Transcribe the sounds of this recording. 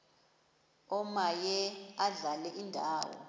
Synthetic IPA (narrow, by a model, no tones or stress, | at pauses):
ɔmajɛaɮalɛʔindʱaːwɔ̰